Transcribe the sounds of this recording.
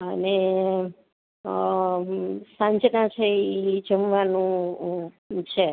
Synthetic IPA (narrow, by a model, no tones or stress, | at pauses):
əne | sãɲt͡ʃnãt͡ʃʰeid͡ʒəmʋanũ | t͡ʃʰe